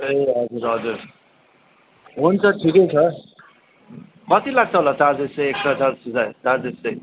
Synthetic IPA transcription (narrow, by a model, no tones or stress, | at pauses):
eʌd͡zuɾʌd͡zuɾ | ɦunt͡sʰʌʈʰikʌjt͡sʰʌ | kʌt̪ilaɡ̚t̪ʰʌɦolataɾd͡zeseek̚t͡sʰʌt͡saɾsud͡zajt̪aɾd͡zesej